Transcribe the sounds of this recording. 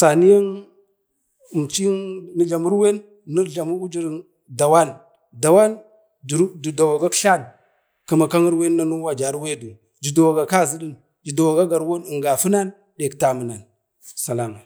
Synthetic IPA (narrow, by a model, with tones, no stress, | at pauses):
sa˨ni˦ja˦n˨ | mt͡ʃi˦ni˦ɮa˨mu˦ɾwe˦nː | ə˦ɮa˨mu˦u˦d͡ʒi˦ɾi˦n | da˨wa˦n | da˨wa˦n˨˦ | du˨da˨wa˨ɡa˦kɬa˦˨n | ka˨˦ma˨ka˦ŋi˦ɾwe˦nːa˦nu˦wa˨d͡ʒa˨˦ɾwe˦du˨ | d͡ʒi˨da˨wa˨ɡa˨ka˦˨zi˦ɗi˦n | d͡ʒi˨da˨wa˨ɡa˦ɡa˨ɾwo˦ni˨ŋɡa˨fu˦na˦n | ɗe˨kta˨mu˨na˨n | sa˨la˨ma˨